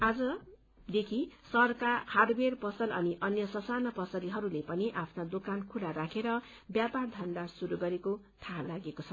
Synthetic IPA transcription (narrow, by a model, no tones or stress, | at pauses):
ad͡zʌ | d̪ekʰisʌrkahadberpʌsʌlʌniʔʌnjʌsʌsanʌpʌsʌɾiɦʌɾulepʌniʔapʰnad̪okankʰulaɾakʰeɾʌ | bjapard̪ʱʌnd̪asuɾuɡʌɾeko | t̪ʰalaɡekot͡sʰʌ